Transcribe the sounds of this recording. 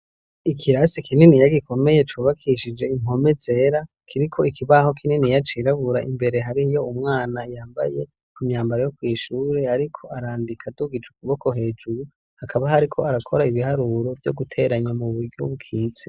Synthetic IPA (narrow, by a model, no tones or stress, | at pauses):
ikʰiɾasikininijaɡikʰo̞me̞je̞t͡ʃuβakʰiʃid͡ʒe̞im̥o̞me̞ze̞ɾa | kʰiɾikʰo̞ikʰiβaho̞kʰininijat͡ʃiɾaβuɾaʔimbe̞ɾe̞ɦaɾijo̞umŋaːnajaːmba̰je̞ | kumɲaːmbaɾajo̞kwiːʃuːɾe̞aɾikʰo̞aɾaːndikʰaduɡid͡ʒuk̚uβo̞kʰo̞ɦe̞ːd͡ʒuɾu | hakʰaβahaɾikʰo̞aɾakʰo̞ɾaiβihaɾuɾo̞vjo̞̰ɡutʰe̞ɾaɲamuβuɾɟo̰βukʰiːt͡se